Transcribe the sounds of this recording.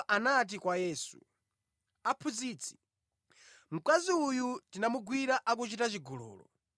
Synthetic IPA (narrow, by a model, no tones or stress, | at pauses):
ʔanat̬ikwajɛːsṵ | apʰud͡ziːt͡sʰi̥ | m̩kaziujutinamuɡwiɾaʔak̬ut͡ʃitat͡ʃiɡɔlɔ̰ːlɔ̰